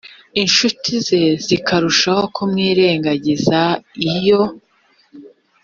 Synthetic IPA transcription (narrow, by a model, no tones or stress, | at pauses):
inʃutʰize̞zikaɾuʃaho̞kʰumŋiːɾe̞ːŋɡaɟizaijo̞